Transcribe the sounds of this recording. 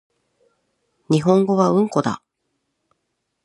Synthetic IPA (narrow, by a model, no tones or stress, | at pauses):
ɲ̟iɦõ̞ŋɡo̞βaɯ̟̃ŋko̞d̪a̰